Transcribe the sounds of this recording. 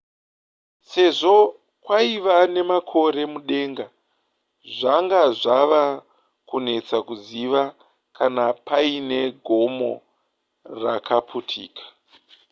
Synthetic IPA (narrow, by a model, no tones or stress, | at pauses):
se̞ʐo̞ | kwaiʋane̞makʰo̞ɾe̞muɗe̞ːŋɡa | ʐaŋɡaʐaʋa | kune̞t͡sakuziʋa | kanapaine̞ɡʱo̞mo̞̰ | rakʰapʰutʰḭːkḁ